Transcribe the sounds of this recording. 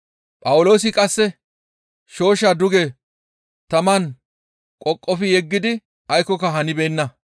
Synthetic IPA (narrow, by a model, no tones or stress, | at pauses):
pʼɐwʊlo̞ːsɪkʼɐsːɛ | ʃo̞ːʃaːd̪ʊɡɛ | t̪ɐmɐn | kʼɔkʼːɔfɪjɛɡːɪd̪ɪ | ɐjkːɔkɐɦɐnɪbeːnːɐ